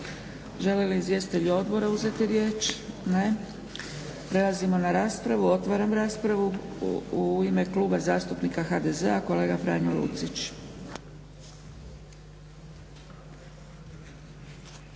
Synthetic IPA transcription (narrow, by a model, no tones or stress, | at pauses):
ʒe̞leliizje̞sit̪eʎuo̞d̪bo̞ɾauze̞t̪iɾje̞ːt͡ʃne | pɾe̞lˠazimo̞naɾaːspɾaʋuo̞t̪ʋaːɾamɾaːspɾaʋuuime̞kluːbazaːst̪upnikaxad̪e̞ze̞ako̞le̞ːɡafɾa̰nolṵt̪sit͡ʃ